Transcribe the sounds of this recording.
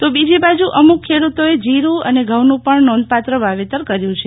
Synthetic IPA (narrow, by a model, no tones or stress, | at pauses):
t̪obid͡ʒibad͡ʒuʔəmukʰːeɽut̪oed͡ʒiɾũəneɡʱəwnũpəɳnɔnd̪̚pat̪ɾəʋaʋet̪əɾkəɾjũt͡ʃʰe